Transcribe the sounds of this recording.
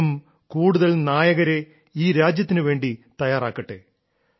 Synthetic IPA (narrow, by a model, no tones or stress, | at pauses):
m | kuːɽuðɐɭnaːjɐɣɐɾe̞ | iːɾaːd͡ʑjɐt̪ːinɨʋe̞ːɳɖit̪ɐjaːraːkːɐʈːḛ